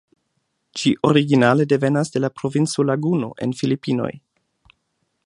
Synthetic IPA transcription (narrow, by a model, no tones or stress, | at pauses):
d͡ʒiʔo̞ɾiɡinale̞de̞ve̞nasde̞lapɾo̞vint͡solaɡuno̞̰ʔe̞̰nfilipino̞̰j